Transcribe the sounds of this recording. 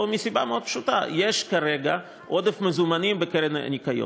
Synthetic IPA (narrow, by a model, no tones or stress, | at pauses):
misibameo̞d̪̚pʃut̪a̰jeʃkaɾeɡa | ʔod̪efmezumanimbekeɾen̰nikajo̰